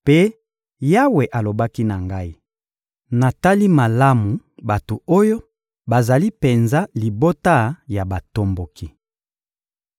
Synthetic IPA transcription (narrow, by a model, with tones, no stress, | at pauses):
pe˦ | ja˦we˨ʔa˨lo˨ba˦ki˦na˨ŋɡa˦i˦ | na˨ta˦li˦ma˨la˦mu˨ba˨to˨o˦jo˦ | ba˨za˨li˦pe˨nza˦li˨bo˦ta˦ja˨ba˨to˦mbo˨ki˦